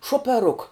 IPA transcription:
ʃuɔpʲɛˈrʊk

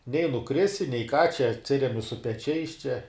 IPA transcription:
nʲɛɪ nʊˈkrʲɪsʲɪ nʲɛɪ kɑː t͡ʃʲɛ ɐtʲˈsʲɪrʲɛmʲɪ sʊ pʲɛˈt͡ʃʲɛɪs t͡ʃʲɛ

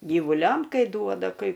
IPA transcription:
ɡʲiːʋʊˈlʲɛm ˈkɐɪ ˈduɔdɐ kɐɪ ˈkuː

